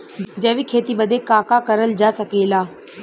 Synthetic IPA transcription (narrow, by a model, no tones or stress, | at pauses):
d͡ʒɐːʋikʰeːt̪iɓəd̪ʱekaːkakəɾəld͡ʒaːsɐkeːlaː